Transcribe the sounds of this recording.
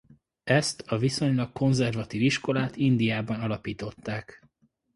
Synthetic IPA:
ɛst̪ɒviso̞ɲlɒkko̞nzɛrvɒt̪iːviʃko̞laːt̪ind̪ijaːbɒnɒlɒpiːt̪o̞t̪ːaːk

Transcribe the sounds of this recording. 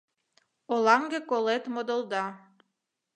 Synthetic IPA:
olɑŋɡekolet̪mod̪əlˠd̪ɑ

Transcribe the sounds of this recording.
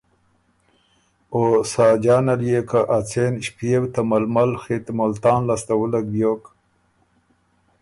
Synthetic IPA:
osɑːd͡ʒɑːnaljekaʔat͡senɕpijewt̪amalmalxet̪molt̪ɑːnlast̪awulaɡ̚bjok

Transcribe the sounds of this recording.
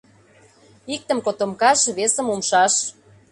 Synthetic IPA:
ik̚t̪ə̆mkot̪omkɑʃβesə̆mumʃɑʃ

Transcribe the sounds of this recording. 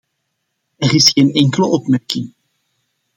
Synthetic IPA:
ɛrɪsxeːnɛŋkələʔɔpmɛrkɪŋ

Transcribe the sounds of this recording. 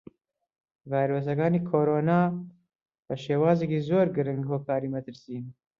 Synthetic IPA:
vajɾos̬ɐkaːniːkʰoːɾoːnaː | b̥ɐʃeːwaːzekiːzoːɾɡɨɾɨŋɡhoːkaːɾiːmɐt̪ʰɨɾsiːn

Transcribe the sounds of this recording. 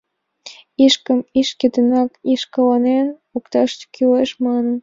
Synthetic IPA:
iʃkəmiʃkʲĕt̪ənɑkiʃkəlɑnen | ukt̪ɑʃt͡ɕkʰyleʃmɑnən

